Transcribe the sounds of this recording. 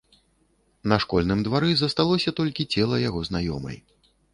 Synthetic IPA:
nɐʂkɔlʲnɨmd̪vaɾɨzɐst̪alˠɔsʲɐt̪ɔlʲkʲit͡sʲɛlˠɐjaɣɔznajɔ̰mɐ̰j

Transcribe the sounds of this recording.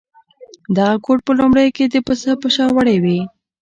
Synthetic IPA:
d̪aɣakoʈ̚pəlʊmɽəjked̪əpəsapəʃɑwaɽewi

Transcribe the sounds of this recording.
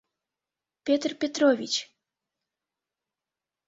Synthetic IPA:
pʲɛt̪rpʲɛt̪ɾɔvʲit͡ɕ

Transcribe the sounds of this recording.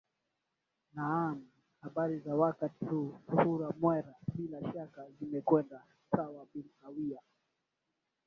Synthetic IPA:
naami | haɓaɾizawakatihusuhuɾamwɛɾaɓilaʃakazimɛkwɛnda | sawaɓinawia

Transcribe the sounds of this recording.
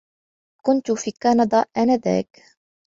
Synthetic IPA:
kʊnt̪ʊfiːkɑːnɑd̪ˤɑːʔanaːða̰ːk

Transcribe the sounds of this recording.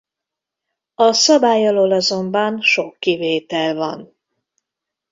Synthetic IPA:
ɒsɒbaːjɒloːlɒzo̞mbɒnʃo̞kːiveːt̪ɛlvɒn

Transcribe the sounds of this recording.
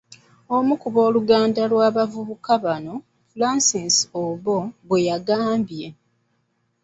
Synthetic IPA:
o̞mukuβo̞ːluɡaːndalwaːβavuβukaβano̞ | fulaːsinsoβoβwe̞jaɡaːmbje̞

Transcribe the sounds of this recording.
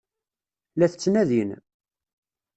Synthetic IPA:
læθət͡sːnæðin

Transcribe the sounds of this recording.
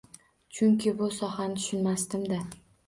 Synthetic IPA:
t͡ʃʰʊŋkʲɪbʊsɒhanɪt̪ʰʊ̥ʃʊnmast̪ɪmd̪a

